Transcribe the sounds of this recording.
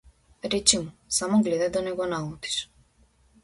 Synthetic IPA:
ɾɛt͡ɕimusamɔɡlɛd̪ad̪ɔnɛɡɔnaut̪i̥ʃ

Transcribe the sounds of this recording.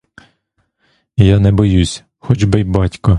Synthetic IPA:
jɑnɛbɔjusʲ | xɔd͡ʒbejbɑtʲkɔ

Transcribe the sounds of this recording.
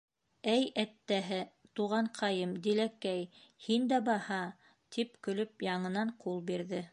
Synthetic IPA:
æjæt̪ːæɦɘt̪uʁɑɴqʰɑjɤmd̪ilækæjhind̪æbɑhɑ | t̪ʰip̚kɵ̆lɵp̚jɑɴɤ̆nɑɴqulˠbiɾðɘ

